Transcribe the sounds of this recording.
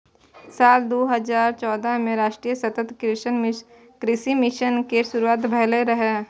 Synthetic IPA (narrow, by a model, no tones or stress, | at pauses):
saːld̪oːɦəzaːɾt͡ʃɔːd̪əmẽɾaːʃʈɾijəsɐt̪ət̪kɪʃən | kɾɪsimɪʃənkeʃʊɾuaːt̪bʱɐɦleɾəɦe